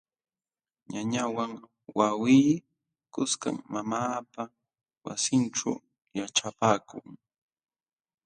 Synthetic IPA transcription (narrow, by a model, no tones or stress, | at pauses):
ɲaɲawaŋ | wawiː | kʊska̰mmamaːpa | wa̰sɪnʈ͡ʂaw | jaʈ͡ʂapaːkʊ̰ŋ